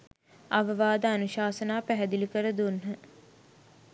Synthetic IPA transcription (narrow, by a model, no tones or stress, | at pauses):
ɐʋəʋaːd̪əanuʃaːsənaːpæɦɛd̪ilikəɾəd̪unɦə